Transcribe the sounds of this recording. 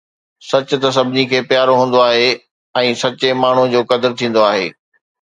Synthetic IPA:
sɐt͡ɕʊt̪ɐs̬ɐbʱɪnikʰeːpjaːɾoɦũːn̆d̪oaːɦe | ɛ̃ːsɐt͡ɕemaːɳ̤ud͡ʑoːkɐd̪əɾt̪ʰĩːn̆d̪oaːɦḛː

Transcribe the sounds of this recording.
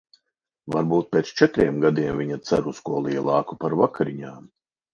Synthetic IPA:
vaɾbuːt̪̚pʲeːt̪st͡ʃɛt̪ɾʲiɛmɡad̪iɛmvʲiɲat̪sa̰ɾuskuɔlˠiɛlˠɑːkupaɾvakʰaɾiɲaːm

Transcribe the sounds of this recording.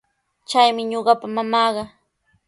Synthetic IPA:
t͡ʃajmɪɲoɢɑpamamɑːɢɑ

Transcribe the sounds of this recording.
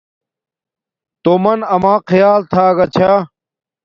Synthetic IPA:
t̪omɐnɐmãːqʰɐjaːlt̪ʰaːɡɐt͡ɕʰaː

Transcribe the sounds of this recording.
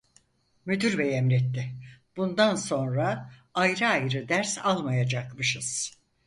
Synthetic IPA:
myd̪yɾbɛjɛmɾɛt̪ːɪb̥und̪anso̞nɾaajɾɯajɾɯd̪æɾsalˠmajad͡ʒakmɯʃɯz̥

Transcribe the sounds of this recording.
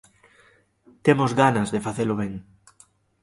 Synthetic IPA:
t̪emozɣanazðefaθeloβ̞eŋ

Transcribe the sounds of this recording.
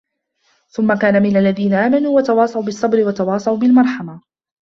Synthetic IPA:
θʊmːakaːnamɪnalːaðiːnaʔaːmanuːwat̪ɑwɑːsˤɑʔubɪsˤːɑbɾɪwat̪ɑwɑːsˤɑʔubɪlmɑɾˤħɑma

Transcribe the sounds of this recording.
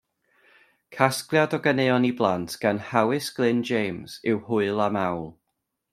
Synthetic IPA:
kʰasklˠjadɔɡəneːɔniblˠantʰɡ̥anhawɪsɡ̥lɪnd͡ʒejmz̥ɪwhʊɨlˠamawlˠ

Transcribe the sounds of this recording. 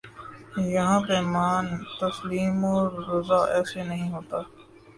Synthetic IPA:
jɐɦãːpemaːnt̪ɐsliːmoːɾɾʊzaːʔɛːsenɐɦĩɦoːt̪aː

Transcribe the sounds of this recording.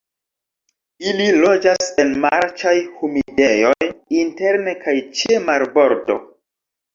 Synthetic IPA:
ililo̞d͡ʒase̞nmaɾt͡ʃajhumidejo̞jinte̞ɾne̞kʰajt͡ʃemaɾbo̞ɾto̞̰

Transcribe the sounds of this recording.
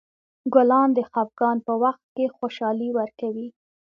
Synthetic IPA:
ɡʊlɑnd̪əxɑp̚ɡɑnpəwaxt̪̚kexoʃɑliwəɾkawi

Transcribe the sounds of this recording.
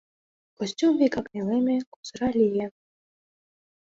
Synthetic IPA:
kosʲt͡ɕʲumvʲikɑknʲelˠemʲĕkuz̥ɾɑlʲije

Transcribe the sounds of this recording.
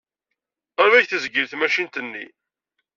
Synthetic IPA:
æɾvæjθəzɡəɾθmæʃint̪ənːḭ

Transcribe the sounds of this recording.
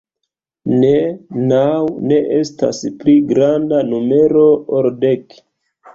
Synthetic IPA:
nenawne̞ʔe̞sta̰spliɡɾandanume̞ɾooɾdek

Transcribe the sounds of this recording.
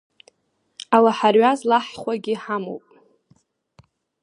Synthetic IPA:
awaħarɥazlaħχʷaɡʲɪħamo̰wpʼ

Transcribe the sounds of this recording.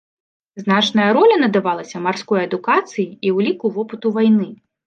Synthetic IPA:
zn̪at͡ʂnɐjɐɾɔlʲɐnɐd̪avalˠɐsʲɐmarskɔjɐd̪ukat̪sɨjiiwlʲikuvɔpɨt̪uvajnɨ

